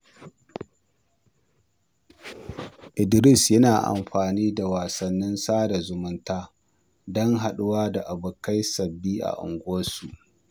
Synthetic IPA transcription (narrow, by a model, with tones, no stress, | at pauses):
ʔɪ˨dɾɪ˦˨sjɐ˦naː˨ʔa̰˨mɸaː˨niː˦da˨waː˨sɐ˨nːɪ˦nsaː˦da˨zʊ˨mʊ˦ntaː˦ | dɔ˦ŋɦa˨ɗʊ˦waː˦da˨ʔa˨bʊ˨ka˦jsɐ˨bːiː˦ʔa̰˨ʔʊ̰˨ŋɡʷoː˦su˨ʔ